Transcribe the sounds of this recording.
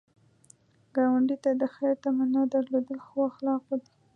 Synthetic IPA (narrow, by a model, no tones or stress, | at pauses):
ɡ̥ɑwaɳɖit̪ad̪əxaɾt̪amanad̪aɾlod̪əlxwaxlɑqad̪i